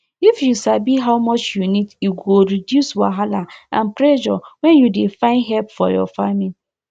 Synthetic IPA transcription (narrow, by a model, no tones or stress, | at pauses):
ifjusabiɦawmɔt͡ʃjuniduɡoɾidjuswaɦalaã̰npɾɛd͡ʒɔ̰wɛ̃njudefãɪ̃ndɦɛlpfɔjɔ̰famil